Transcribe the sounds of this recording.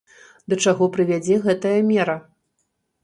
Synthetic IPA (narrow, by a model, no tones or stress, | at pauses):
d̪ɐt͡ʂaɣɔpɾɨvʲad͡zʲɛɣɛt̪ɐjɐmʲɛɾɐ